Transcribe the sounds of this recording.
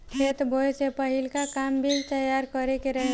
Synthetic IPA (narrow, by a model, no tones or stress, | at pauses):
kʰeːt̪bʱosepəɦɪlkakaːmbʱid͡ʒt̪əjaːɾkəɾekeɾəɦe